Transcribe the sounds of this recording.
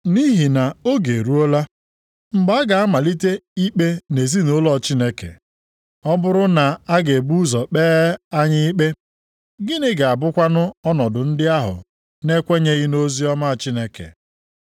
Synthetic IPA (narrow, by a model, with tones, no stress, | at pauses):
ni˦ɦi˨na˨o˦ɡe˨ɾu˦o˦la˦ | m̩˨ɡ͡ba˦a˦ɡa˨a˦ma˨li˦te˦i˦k͡pe˦ne˨zi˦no˦lɔ˦˨t͡ʃi˦ne˦kḛ˨ | ɔ˦bʊ˦ɾʊ˦na˨a˦ɡe˨bu˦zɔ˨k͡peː˦a˦ɲɪ˦k͡pe˦ | ɡɪ˦nɪ˦ɡa˨a˨bʊ˦kʷa˦nʊ˦ɔ˦nɔ˨dʊ˨n̩˦dɪ˦a˦ɦʊ̰˨ | ne˦kʷe˦ɲe˦ɣɪ˦no˦zi˦ɔ˦ma˦˨t͡ʃi˦ne˨kḛ˨